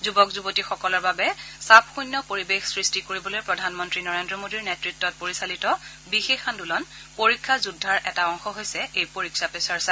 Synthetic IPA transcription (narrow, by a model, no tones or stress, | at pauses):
zubɔkzubotixɔkɔlɔɹbabɛsap̚ʰxujnːɔpoɹibexsɹistikoɹibɔlojpɹɔdʱanmɔntɹinɔɹendɹɔmodiɹnetɹitːɔt̚poɹisalitɔ | bixexandulɔn | poɹikʰːazudʱːaɹʔɛtaɔŋxɔɦojsɛejpoɹikʰsapesaɹsa